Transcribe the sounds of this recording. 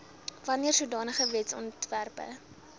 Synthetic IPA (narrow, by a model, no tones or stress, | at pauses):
vɐniərsudɑːnəχəvɛtsɔ̰ntværpə̰